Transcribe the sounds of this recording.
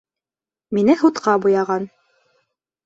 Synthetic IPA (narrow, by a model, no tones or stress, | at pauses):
minɘhut̪qɑbujɑʁɑn